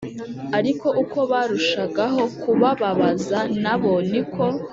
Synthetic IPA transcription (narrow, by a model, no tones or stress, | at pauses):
aɾiko̞ʔukʰo̞βaːɾuʃaɡaɦo̞kuβaβaβazanaβo̞nikʰo̞